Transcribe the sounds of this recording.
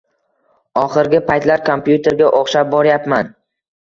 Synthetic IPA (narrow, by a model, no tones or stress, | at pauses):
ɒχɨɾɡʲɪpʰajt̪laɾkʰompjut̪ʰe̞ɾɡʲaʔoχʃap̚bɒɾjapman